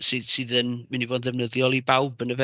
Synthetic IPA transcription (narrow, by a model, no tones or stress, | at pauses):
sɨð̥sɨðənmənivɔːd̪ðəvnəðjɔlˠibawbənəvɛ